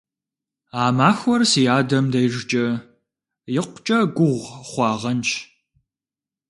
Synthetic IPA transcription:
aːmaːxʷɔrsijaːdɐmdɐjʒɪt͡ʃʼɐ | jɪqʷt͡ʃʼɐɡʷʊʁʷχʷɑːʁɐnt͡ʃʰ

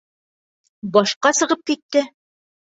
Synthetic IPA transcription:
bɒʃqɑsɤ̆ʁɤp̚kit̪ːɘ

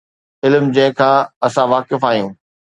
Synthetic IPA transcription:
ɪlmd͡ʑɐ̃ɦɪ̃kʰãːɐsãʋaːkɪfaːɦijũː

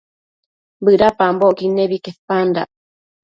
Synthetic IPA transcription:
bɨɾapamboʔkineβikepanda̰ʔ

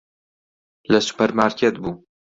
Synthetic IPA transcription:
lɐsu̥pɐɾmaːɾkʰet̪buː

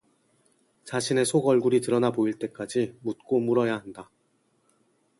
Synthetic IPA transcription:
t͡ɕaɕʰine̞sʰoɡʌɭɡuɾitɯɾʌnaboiɭt͈e̞k͈ad͡ʑimut̚k͈omuɾʌjaɦanda

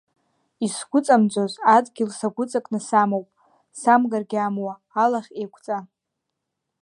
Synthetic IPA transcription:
isɡʷʊt͡sʼamd͡zozadɡʲɪlsaɡʷʊt͡sʼakʼnɨsamowpʼ | samɡarɡʲamwaːlaχʲejkʷʼʰt͡sʼa

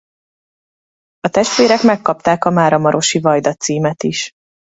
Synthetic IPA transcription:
ɒt̪ɛʃt̪ʋeːɾɛkmɛkːɒp̚t̪aːkɒmaːɾɒmɒɾo̞ʃivɒjd̪ɒt̪siːmɛt̪iʃ

